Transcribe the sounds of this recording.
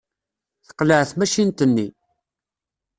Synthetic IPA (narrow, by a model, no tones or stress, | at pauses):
θə̥qləʕθmæʃint̪ənːḭ